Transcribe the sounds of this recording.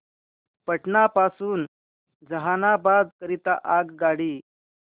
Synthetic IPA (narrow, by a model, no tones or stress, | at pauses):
pəʈnapasuːn | d͡zəɦanabad̪kəɾit̪aʔaɡɡaɽiː